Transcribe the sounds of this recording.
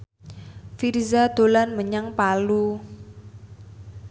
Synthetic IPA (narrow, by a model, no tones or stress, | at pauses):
fiɾizad̪̥o̤lanməɲaŋpalu